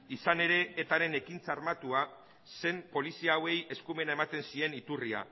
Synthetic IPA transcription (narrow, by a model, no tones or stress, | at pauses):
isane̞ɾe̞ːt̪aɾe̞ne̞kint͡saːɾmat̪ua | se̞mpo̞lisiaːwe̞je̞skume̞nae̞mat̪e̞nsie̞nit̪uria̰